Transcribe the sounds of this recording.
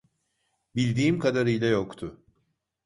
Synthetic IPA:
bilʲd̪iːmkʰad̪aɾɯjlʲˠajo̞kt̪ʰʊ

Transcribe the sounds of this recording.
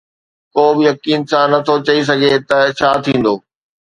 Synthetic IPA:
koːbɪjɐkiːnsãnɐt̪ʰot͡ɕɐis̬ɐɡʱet̪ɐt͡ɕʰaːt̪ʰĩːn̆d̪oː

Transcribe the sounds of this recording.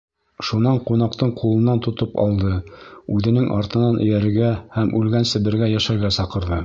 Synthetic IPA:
ʃunɑɴqunɑqt̪ɤɴqʰulˠɤ̆nːɑnt̪ŏt̪ɤpɑ̰lˠd̪ɤʉðɘ̆nɘŋʔɑ̰ɾt̪ɤ̆nɑnʔɘ̆jæɾɡæhæmʉlɡænsɘ̆βɘ̆ɾɡæjæʃæɾɡæsɑqɤ̆ɾðɤ

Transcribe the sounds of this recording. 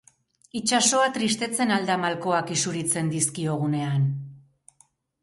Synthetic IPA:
it͡ʃaso̞at̪ɾist̪e̞t͡se̞nald̪amalko̞akisuɾit͡se̞nd̪iskio̞ɣ̞une̞an

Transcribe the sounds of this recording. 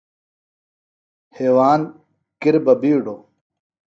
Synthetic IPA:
heːwaːn | kiɾbɐbiːɖo

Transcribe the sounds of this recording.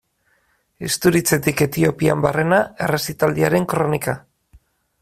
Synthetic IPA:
est̪uɾit͡se̞t̪ike̞t̪io̞piambare̞nae̞re̞sit̪ald̪iaɾe̞ŋkɾo̞nika

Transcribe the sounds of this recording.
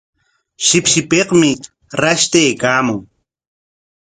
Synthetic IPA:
ʃɪpʃɪpeqmɪ | ɾaʃt̪ejkaːmʊŋ

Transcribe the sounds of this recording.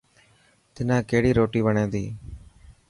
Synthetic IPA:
t̪ɪnãːkeːɽiːɾoːʈiːʋəɳẽːd̪iː

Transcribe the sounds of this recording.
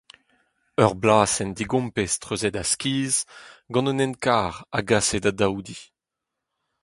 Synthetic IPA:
œʁblaːsɛnd̪iɡɔ̃mpest̪ʁøzɛd̪askʲiːzɡɑ̃nønɛnkaːʁaɡaːsed̪ad̪awd̪i

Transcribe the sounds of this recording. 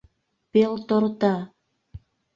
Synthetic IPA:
pelt̪ort̪ɑ

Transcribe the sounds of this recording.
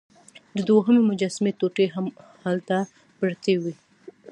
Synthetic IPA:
d̪əd̪oɦəmemʊd͡ʒasmet̪oʈeɦam | halt̪a | pɾt̪ewi

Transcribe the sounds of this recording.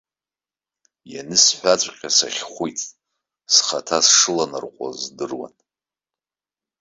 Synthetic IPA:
janɨsħʷᶣat͡sʷʼqʲʼasaχʲχʷujtʼ | sχatʰasʂɨlanarqʷʼa̰zdɨrwa̰n

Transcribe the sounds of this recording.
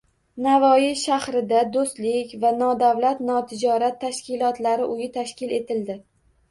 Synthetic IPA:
navɒjɪʃahɾɪd̪ad̪ost̪lɪkʲvanɒd̪avlat̪nɒt̪ʰɪd͡ʒɒɾat̪ʰːaʃkʲɪlˠɒt̪laɾɪʔʊjɪt̪ʰaʃkʲɪle̞t̪ʰɪld̪ɪ

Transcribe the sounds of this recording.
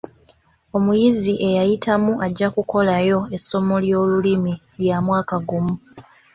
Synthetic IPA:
o̞mujiziʔe̞jajitʰamuʔaɟːakuko̞lajo̞e̞sːo̞mo̞ljo̞ːlulimi | ljaːmwaːkaɡumu

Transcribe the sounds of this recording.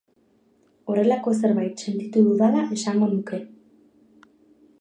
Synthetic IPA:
o̞re̞lako̞se̞ɾβajt̪se̞nt̪it̪uðuðalae̞saŋɡo̞nuke̞

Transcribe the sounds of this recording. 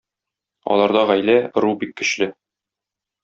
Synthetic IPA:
ɒ̰lˠɑɾd̪ɑʁæjlæɾubikːɵ̆ɕlɘ

